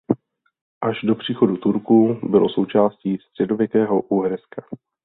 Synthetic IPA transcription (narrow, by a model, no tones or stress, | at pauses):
ʔaʒdo̞pr̝̥iːxo̞dut̪uɾkubɪlo̞so̞wt͡ʃaːsciːst̪r̥ɛdo̞vjɛkɛːɦo̞ʔuɦɾɛskḁ